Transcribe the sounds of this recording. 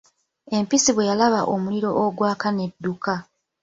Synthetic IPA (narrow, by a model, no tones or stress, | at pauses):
e̞mpisiβwe̞jalaβaʔomuliɾo̞ʔoɡwaːkane̞dːuka